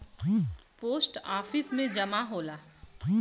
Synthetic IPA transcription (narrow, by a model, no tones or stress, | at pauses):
poːsʈaːfɪsmẽd͡ʒɐmaɦoːlaː